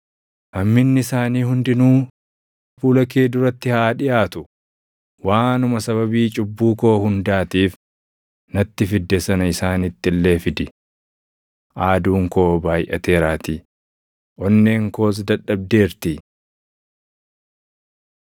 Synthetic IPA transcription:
hɐmːɪnːɪɪsaːniːhʊnd̪ɪnuː | fuːlɐk̬eːd̪ʊɾɐt̪ːɪhaːᶑɪjʔaːt̪ʊ | waːnʊmɐsɐβɐbiːt͡ʃʼʊbːuːko̞ːhʊnd̪aːt̪iːf | nɐt̪ːɪfɪd̪ːɛsɐnɐɪsaːnɪt̪ːɪlːe̞ːfɪd̪ɪ | ʔaːd̪uːŋko̞ːbaːjʔɐ̰t̪e̞ːɾaːt̪i | ʔɔnːe̞ːŋko̞ːs̬d̪ɐᶑːɐb̚d̪e̞ːɾt̪i

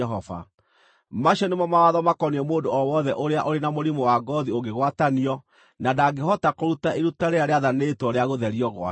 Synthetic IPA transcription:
ɛɦɔva̰ | maɕɔnemɔmawaðɔmakɔniɛmoːndoɔwɔðɛʔoɾeaʔoɾenamoɾimɔwaɡɔðioɡeɣwataniɔ | nadaɡehɔtakoɾutaʔeɾutaɾeaɾeaðanetwɔɾeaɣoðɛɾiɔɣwa̰

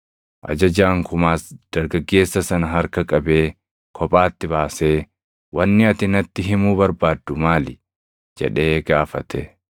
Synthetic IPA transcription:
ʔɐ̰d͡ʒɐd͡ʒaːŋkʊmaːsd̪̥ɐɾɡɐɡːe̞ːsːɐsɐnɐɦɐɾkɐkʼɐbeː | kʰɔpʼaːt̪ːɪbaːse̞ː | wɐnːɪɐt̪ɪnɐt̪ːɪɦɪmuːbɐɾbaːd̪ːʊmaːlɪ | d͡ʒɛ̰ᶑe̞ːɡaːfɐt̪ɛ

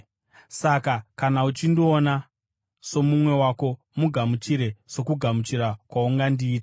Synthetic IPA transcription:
sakakanaut͡ʃindioːna | so̞mumwe̞wako̞ | muɡʱamut͡ʃiɾe̞so̞kuɡʱamut͡ʃiɾakwauŋɡandiːtḁ

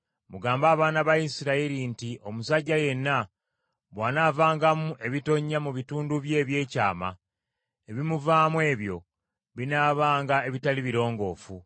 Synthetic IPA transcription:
muɡaːmbaːβaːnaβaisiɾaiɾintiʔo̞musaɟːaje̞nːa | βwaːnavaːŋɡamuʔe̞βito̞ɲːamuβituːnduβje̞ːβje̞ːcaːma̰ | e̞βimuvaːmwe̞ːβjo̞̰ | βinaːβaːŋɡae̞βitaliβiɾo̞ːŋɡo̞ːfu

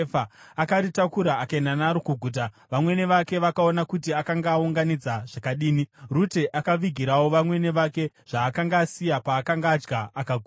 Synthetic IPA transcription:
faakaritakuɾaakananaɾokuɡʱuːt̬a | ʋamwe̞ne̞ʋake̞ʋakao̞nakutiakaŋɡaːuŋɡanid͡zaʐ̥akaɗiːnirute̞ʔakaʋiɡʱiɾawo̞ʋamwe̞ne̞ʋake̞ | ʐ̥aːkaŋɡaːsijapaːkaŋɡaːd͡ʒɡaakaɡʱu

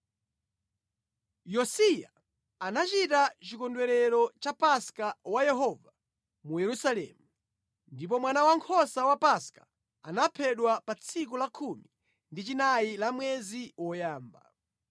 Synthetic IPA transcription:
jɔsija | anat͡ʃitat͡ʃikɔndwɛɾɛɾɔt͡ʃapaskawajɛɦɔva | mujɛɾusalɛ̰ːmu | ndip̬ɔmwanawaŋkʰɔsawapaskḁ̰ | anapʰɛɗwapat͡sʰikulakʰumi | ndit͡ʃinajilamwɛziwɔjaːmba̰

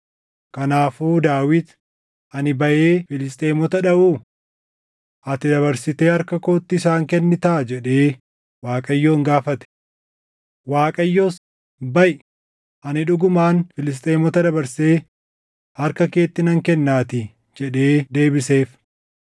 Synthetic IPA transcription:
kɐnaːfuːd̪aːwɪd̪ | ʔɐnɪbɐʔe̞ːfɪlɪs̬t̪ʼe̞ːmɔt̪ɐᶑɐʔuː | ʔɐt̪ɪd̪ɐβɐɾsɪt̪eːɐɾkɐkoːt̪ːɪːsaːŋkɛnːɪt̪ɐʔd͡ʒɛᶑe̞ː | waːkʼɐjːo̞ːŋɡaːfɐt̪ɛ̥ | waːkʼɐjːoːs | bɐʔ | ʔɐnɪᶑʊɡʊmaːnfɪlɪs̬t̪ʼe̞ːmɔt̪ɐd̪ɐbɐɾse̞ː | hɐɾkɐke̞ːt̪ːɪnɐŋkɛnːaːt̪ɪ | d͡ʒɛᶑe̞ːd̪e̞ːbɪse̞ːf

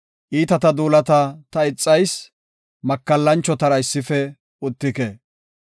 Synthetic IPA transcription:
ʔiːt̪ɐt̪ɐd̪uːlɐt̪ɐt̪ɐɪt͡sʼːɐjs | mɐkːɐlːɐnt͡ʃːɔt̪ɐɾɐɪsːɪfɛ | ʊt̪ːɪke

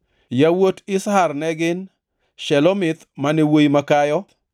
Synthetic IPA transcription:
jawotɪsharnɛɡɪn | ʃɛlɔmɪt̪manɛwojimakajɔ

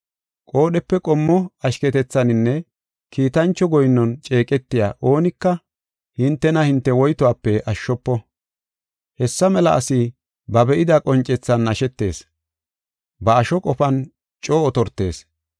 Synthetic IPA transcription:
kʼo̞ːɗɛpːɛkʼɔmːɔɐʃkɛt̪ɛt͡sːɐnɪnːɛ | kʰiːt̪ɐnt͡ʃːɔɡɔjnːɔnt͡ʃʼe̞ːkʼɛt̪ːɪja̰ːʔo̞ːnɪkːɐ | hɪnt̪ːɛnɐhɪnt̪ːɛwɔjt̪ɔwaːpːɛʔɐʃːɔpːɔ | hɛsːɐmɛlɐʔɐsɪ | bɐbɛʔɪd̪ɐkʼɔnt͡ʃʼːɛt͡sːɐnːɐʃɛt̪ːe̞̰ːs | bɐːʃɔkʼɔfɐn | t͡ʃʼo̞ːɔt̪ɔɾt̪ːe̞ːs

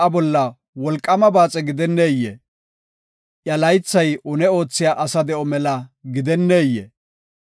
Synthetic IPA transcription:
ɐbɔlːɐ | wɔlkʼːɐmɐbaːt͡sʼɛɡɪd̪ɛnːeːjːɛ̰ | ʔjɐlɐjt͡sːɐjʊnɛo̞ːt͡sːɪjaːʔɐsɐd̪ɛʔɔmɛlɐɡɪd̪ɛnːeːjːɛ̰

